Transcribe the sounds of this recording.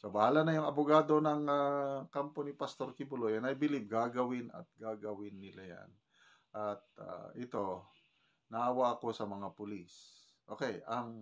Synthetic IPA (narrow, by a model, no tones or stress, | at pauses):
sobɐhaːlɐnɐjʊŋɐbʊɡaːd̪o̞nɐŋakampo̞nɪpɐst̪o̞ɾkɪbʊlojɐnɐjbɪlɪb̚ɡaːɡɐwɪnɐ̰t̪̚ɡaːɡɐwɪnːɪlaja̰n | ʔɐt̪̚a̰ʔɪt̪o̞ | nɐʔɐwaʔɐko̞sɐmɐŋapʊlis | ʔo̞ːkɛjʔɐŋ